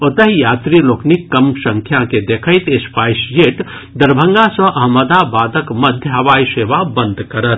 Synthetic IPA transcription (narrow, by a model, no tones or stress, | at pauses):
ot̪əɦijat̪ɾiloknikːəmsə̃ŋkʰjaked̪ekʰəɪt̪espajsd͡ʒeʈ | d̪əɾbʱəŋɡasə̃ʔɐɦməd̪abad̪əkməd̪ʱjəɦəʋajseʋabənd̪ʱkəɾət̪